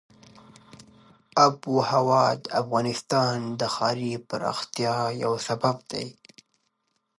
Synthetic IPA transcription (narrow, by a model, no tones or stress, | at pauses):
abuhawɑd̪afɣɑnɪst̪ɑnd̪əxɑɾipəɾɑ̰xt̪ijɑjawsabab̚d̪̥a̰j